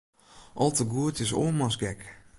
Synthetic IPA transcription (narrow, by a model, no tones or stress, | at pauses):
ʔɔlˠtəɡuətɪso̰ːmasɡɛk